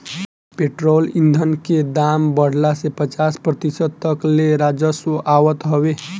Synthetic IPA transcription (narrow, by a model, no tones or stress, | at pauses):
peʈɾolind̪ʱənked̪ambəɽ̤lasepət͡ʃaspɾət̪isəd̪̚t̪əkleɾad͡ʒəsoʔawət̪ɦɔbe